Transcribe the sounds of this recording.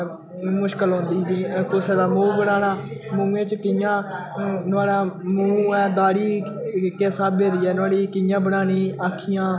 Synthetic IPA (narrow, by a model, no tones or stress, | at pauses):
mʊʃkəlɦõːnd̪iːsiːkʊseːd̪aːmũːbəɽaːnaːmũːẽːt͡ʃkɪjãː | nʊaːɽaːmũːɛːd̪aːɽiːkeːsaːbbeːd̪iːɛːnʊaːɽiːkɪjãːbəɽaːniːaːkʰːɪjãː